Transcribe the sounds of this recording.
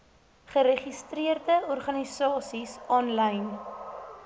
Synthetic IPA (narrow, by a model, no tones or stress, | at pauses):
χəɾeχistriərdəɔrχɐnisɑːsisɑːnlɐjn